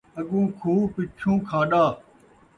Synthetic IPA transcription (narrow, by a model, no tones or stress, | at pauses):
əɠũːkʰuːpɪt͡ʃʰũːkʰãːɗaː